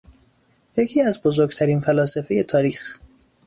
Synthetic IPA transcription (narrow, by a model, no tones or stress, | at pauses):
jecʰiːæzbozoɾɡt̪ʰæɾiːnfælɒːsefe̞je̞t̪ʰɒːɾiːx